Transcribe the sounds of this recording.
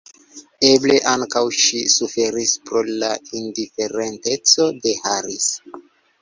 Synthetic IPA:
eble̞ʔaŋkawʃisufe̞ɾispɾo̞laindife̞ɾente̞t͡so̞de̞haɾis

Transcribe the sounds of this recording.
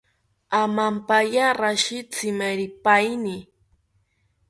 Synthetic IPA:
amampajaɾaʃɪt͡sɪmaɾɪpajnɪ

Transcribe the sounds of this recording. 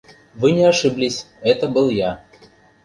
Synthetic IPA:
vɨnʲɪaʂɨblʲɪsʲ | ɛt̪əbɨlˠja

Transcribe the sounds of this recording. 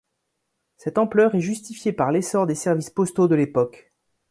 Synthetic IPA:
sɛt̪ɑ̃plœʁɛʒyst̪ifjepaʁlesɔʁd̪esɛʁvispɔst̪od̪əlepɔk

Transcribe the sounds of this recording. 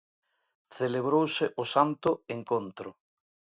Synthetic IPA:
θeleβ̞ɾowsɪʔʊsant̪ʊeŋkont̪ɾʊ

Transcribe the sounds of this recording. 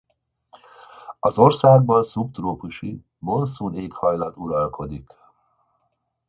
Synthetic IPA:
ɒzo̞rsaːɡ̚bɒnsupt̪roːpuʃi | bo̞nsuːneːkhɒjlɒt̪uɾɒlkʰo̞d̪ik

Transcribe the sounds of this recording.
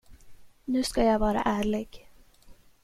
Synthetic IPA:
nʉ̟ːskajavɑːɾa̰ʔæːɭɪɡ̥

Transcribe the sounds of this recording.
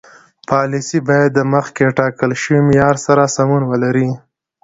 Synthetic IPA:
pɑlisibɑjad̪ːəməxkeʈɑkəlʃəwimɪjɑɾsaɾasamunwəlaɾi

